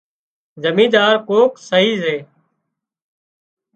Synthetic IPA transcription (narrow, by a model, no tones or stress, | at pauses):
zəmĩːd̪aːɾkoːksəɦiːzeː